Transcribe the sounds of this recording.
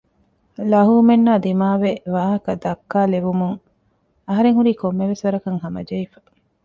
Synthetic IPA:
lɐɦuːmenːaːd̪imaːʋeʋaːɦɐkɐd̪ɐkːaːleʋumuŋ | ɐɦɐɾeŋhuɾiːkomːeʋesʋɐɾɐkɐŋɦɐmɐ̰d͡ʒɐifɐ̥

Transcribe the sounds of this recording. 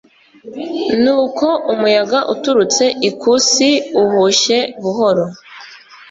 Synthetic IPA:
nuːko̞ʔumujaɡaʔutuɾut͡se̞ʔikʰusiuhuʃe̞βuɦo̞ɾo̞

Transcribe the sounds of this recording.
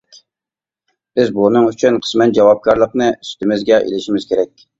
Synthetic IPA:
b̥ɪzbunɨŋyt͡ʃʰynqʰə̥smɛt̪̚d͡ʒɑwɑp̚kʲʰɑɾlˠəqnɨyst̪ɪmɪzɡʲɛʔḛlɪʃimɪz̥kʲʰeɾɛkʲ

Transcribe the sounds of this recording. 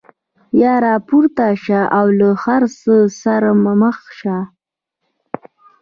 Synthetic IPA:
jɑːɾɑpuɾt̪aʃaʔawləxaɾsəsaɾamaməxʃa

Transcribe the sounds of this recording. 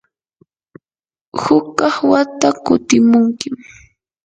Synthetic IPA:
hʊkːɑχwat̪akʊt̪ɪmʊŋkɪm

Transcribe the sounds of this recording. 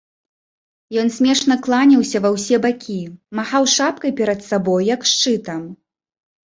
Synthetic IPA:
jɔnsʲmʲɛʂnɐklˠanʲɐwsʲɐvɐwsʲɛbakʲʰimaxawʂap̚kɐjpʲɛɾɐt̪sabɔjːɐkʂt͡ʂɨt̪ɐm

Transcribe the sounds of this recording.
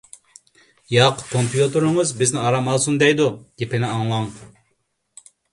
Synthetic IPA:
jɑqkʰompijut̪uɾɨŋəzbɪznɪɑɾɑmɑlˠsund̪ɛjd̪uɡʲepɪnɪɑŋlˠɑŋ

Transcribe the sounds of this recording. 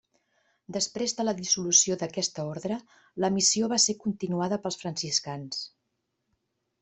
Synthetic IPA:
d̪əspɾezðələðisulusioðəkɛst̪əɔɾðɾə | ləmisioβasekunt̪inuaðəpəlˠsfɾənsiskans

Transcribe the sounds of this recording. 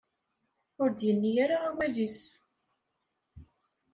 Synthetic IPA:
ʊɾd̪jənːijaɾaawælis

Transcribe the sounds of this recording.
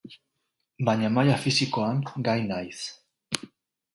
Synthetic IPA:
baɲamajafisikoamtɡajnajθ

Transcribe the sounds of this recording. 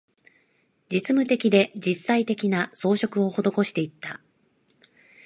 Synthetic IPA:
d͡ʑit͡sɨmɯ̟t̪e̞kʲid̪e̞d͡ʑisːait̪e̞kʲinaso̞ːɕo̞kɯ̟o̞ho̞d̪o̞ko̞ɕi̥t̪e̞it̪ːa

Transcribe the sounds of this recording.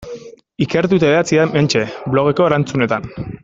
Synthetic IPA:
ike̞ɾt̪̬ut̪aat͡sieme̞nt͡ʃe̞blo̞ɣ̞e̞ko̞eɾant͡sune̞t̪an

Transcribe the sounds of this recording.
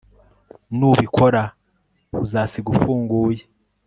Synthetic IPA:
nuβikʰo̞ɾa | βuzaːsiɡufuːŋɡuːje

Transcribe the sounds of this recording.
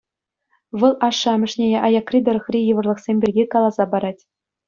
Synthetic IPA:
ʋɤ̆lˠʔɑʂːɑmʲɘ̆ʂnʲeʔɑjɑkrʲid̪ɤ̆ɾɤ̆χrʲijɯ̆ʋɤ̆rlˠɤ̆χsʲemʲbʲirʲɡʲikɑlˠɑzɑbɑɾɑtʲ

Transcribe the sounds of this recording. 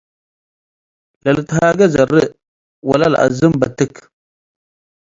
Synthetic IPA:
laləthaɡazaɾə | wa̰lalʔa̰zəmbatək

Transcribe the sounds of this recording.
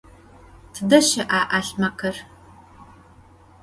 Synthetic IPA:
tʰɨdɐʃɐʔaːʔaːɬmɐkʰɐr

